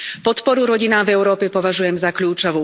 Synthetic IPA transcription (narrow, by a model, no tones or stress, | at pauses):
pɔt̪pɔɾuɾɔɟinaːvɛʊɾɔːpɛpɔʋaʒujɛmzakʎuːt͡ʃɔʋu